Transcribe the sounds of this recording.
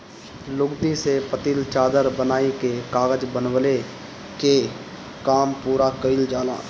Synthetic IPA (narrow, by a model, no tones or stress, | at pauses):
lʊɡd̪isepət̪iːlt͡ʃaːd̪əɾbənaːikekaːɣəd͡ʒbənwəle | ke | kaːmpuːɾakəɪld͡ʒaːla̰ː